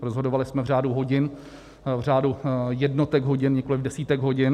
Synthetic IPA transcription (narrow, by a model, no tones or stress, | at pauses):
ɾozɦodovalɪsmɛvr̝aːduɦo̞ɟɪn | vraːdujɛdnot̪ɛɡɦoɟɪnɲɪkolɪvdɛsiːt̪ɛɡɦo̞ɟɪn